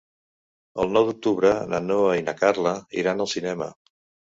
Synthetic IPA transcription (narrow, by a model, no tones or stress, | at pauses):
əlˠnɔwðuk̚t̪uβɾənənoainəkaɾləḭɾanəlˠsinɛmə̰